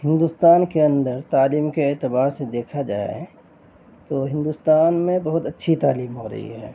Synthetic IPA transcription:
hɪ̃nd̪uːst̪aːnkeɐ̃nd̪əɾt̪aːliːmkeɛːt̪ɪbaːɾsed̪eːkʰad͡ʒa̰ːḛ | t̪oːɦɪ̃nd̪ust̪aːnmẽbɐɦʊt̪ɐtːʃʰit̪aːliːmɦoɾɐ̰ɦḭɦɛ̰ː

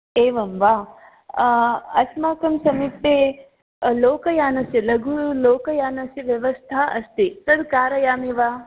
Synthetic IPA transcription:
eːʋɐmʋa | ɐsmaːkɐmsɐmipeː | loːkɐjaːnɐsjɐlɐɡʱuloːkɐjaːnɐsjiʋjɐʋɐst̪ʰaːɐst̪isɐd̪kaːɾɐjaːmiʋaː

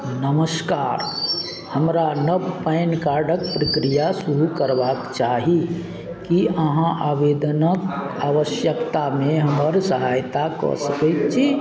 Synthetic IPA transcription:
nəməskaːɾ | həmɾanəbpəɪnkaɾɖək̚pɾəkɾijasuɾukəɾbaːkt͡ʃaɦi | kiəɦãʔaʋed̪ənəkaʋəsjəkt̪amẽɦəməɾsəɦajt̪akɔ̰səkɛt̪t͡ʃʰi

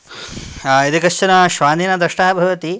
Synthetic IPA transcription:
id̪ikɐʃt͡ʃɐnɐʃʋaːnd̪inɐd̪ɾɐʂʈaːɐbʱɐʋɐt̪i

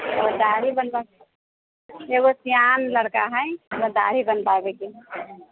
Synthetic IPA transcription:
eɡod̪aɾibənpa | eɡosijanləɽkaɦəjtod̪a̰ɾibənpabɛke

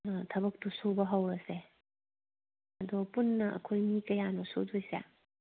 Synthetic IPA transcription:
tʰɐbɐk̚tusobɐɦɐwɾɐse | ɐdɔpunːɐɐ̰kʰojmikɐjanosodojsa̰

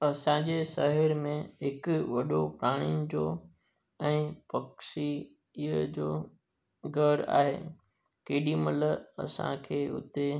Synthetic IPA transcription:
ɐsãd͡ʑesaɦɪɾmẽɦɪkʊʋɐɗopɾaːɽ̃inɪ̆d͡ʑoː | ɛ̃ːpɐksi | ɦəd͡ʑoː | ɡʱɐɾa̰ːɦḛː | keːɗimɐləɐ̰sã̰kʰeːʊ̰t̪e

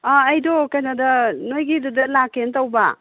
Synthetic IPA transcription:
aːjdokɐjnadɐnojɡidudɐlakːentawba

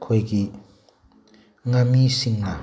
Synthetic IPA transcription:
kʰojɡi | ŋamisiŋna

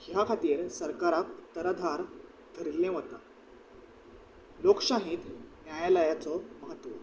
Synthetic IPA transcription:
jakʰat̪iːɾsəɾkaɾakt̪əɾad̪ʱaɾ | d̪ʱəɾilẽʋət̪a | lokɕãɦĩt̪njajaləjat͡sɔməɦət̪ʋɔ

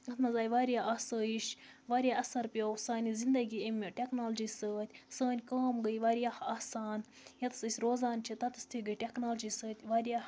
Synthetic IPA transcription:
ɐt̪mɐzaːjʋaːɾʲjaːʔaːsaːjiʃʋaɾʲjaːʔɐsɐɾpʲowsaːnʲizind̪ɐɡʲiːemʲːoʈʲeknaːld͡ʒisəːt̪ʲsəːnʲkaːmɡəjʋaɾjahaːsaːn | jɐt̪ɨ̥sɨsʲɾoːzaːnt͡ʃʰit̪ɐt̪ɨ̥sʲt̪ʰiɡɨjʈʲeknaːld͡ʒiːsəːt̪ʲʋaːɾʲja

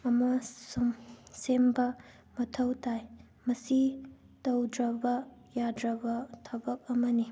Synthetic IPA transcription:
ɐmɐsumsembɐ | mɐtʰɐwtʰaj | mɐsi | tɐwdɾɐbɐjadɾɐbɐtʰɐbɐk̚ɐmɐni

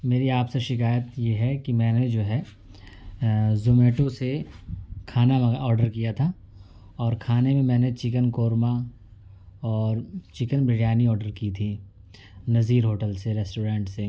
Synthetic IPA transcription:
meːɾiaːpseʃɪkaːjət̪jeɦɛkimɛ̃ːned͡ʒoːɦɛ | zʊmeːʈose | kʰaːnaɔːɾɖəɾkijat̪ʰa | ɔːɾkʰaːnemẽmɛ̃ːnet͡ʃɪk̬ənkoːɾma | ɔːɾt͡ʃɪkənbɾɪɽjaːniɔːɾɖəɾkit̪ʰiː | nɐziːɾɦoːʈəlseɾɛːsʈoːɾɛ̃ːɳʈse

